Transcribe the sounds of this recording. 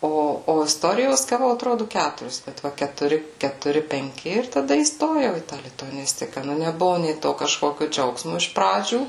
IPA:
ˈoː oː ɪsˈtoːrʲɪjoːs ɡɐˈʋɐʊ ɐtˈroːdʊ ˈkʲætʊrʲɪs kɐt ˈʋɐ kʲɛtʊˈrʲɪ kʲɛtʊˈrʲɪ pʲɛŋʲˈkʲɪ ɪr tɐˈdɐ iːˈstoːjɛʊ iː tɑː lʲɪtʊɐˈnʲɪsʲtʲɪkɐ ˈnʊ nʲɛˈbʊʋʊ nʲeː ˈtoː kɐʃˈkoːkʲʊ ˈd͡ʒʲɛʊksmʊ ɪʃ ˈprɑːd͡ʒʲuː

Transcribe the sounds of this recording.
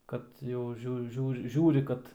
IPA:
ˈkɐt jɛʊ ˈʒʲuː ˈʒʲuːr ˈʒʲuːrʲɪ kɐt

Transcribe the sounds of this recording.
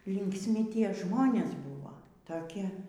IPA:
lʲɪŋksʲˈmʲɪ ˈtʲiɛ ˈʒmoːnʲeːs ˈbuːʋoː tɐˈkʲɪ

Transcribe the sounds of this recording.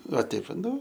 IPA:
ʋɐ ˈtʲɛɪp ʋɐ ˈnʊ

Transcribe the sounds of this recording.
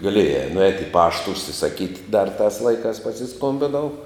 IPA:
ɡɐˈlʲiɛjæː nʊˈɛːtʲ ɪ ˈpɑːʃtɐ ʊʃʲsʲɪsɐˈkʲiːtʲ dɐr tɑːs ˈlˠɐɪkɑːs pɐsʲɪˈskoːmʲbʲɪnɐʊ

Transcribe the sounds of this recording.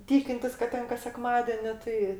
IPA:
ˈtʲiːkʲɪnʲtʲɪs kɐt ˈtʲɛn kɐs sʲɛˈkmɑːdʲeːnʲɪ ˈtɐɪ

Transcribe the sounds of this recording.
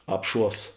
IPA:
ˈɑːpˌʃuɔs

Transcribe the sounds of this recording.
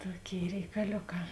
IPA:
ˈtoːˌkʲeːɪ rʲɛɪkɐˈlʲoːˌkɑː

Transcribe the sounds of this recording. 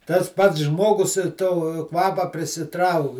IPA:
tɐs ˈpɐts ˈʒmoːɡʊs toː ˈkʋɑːpɐ pʲrʲɪsʲɪˈtrɐʊk

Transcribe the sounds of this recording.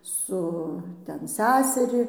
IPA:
ˈsʊ ˈtʲɛn ˈsʲæsʲɛrʲɪ

